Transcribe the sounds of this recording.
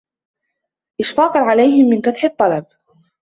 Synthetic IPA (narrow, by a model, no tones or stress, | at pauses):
ʔɪʃfɑːqɑʕalajɦɪmːɪnkaθħɨt̪ˤːɑlɑb̚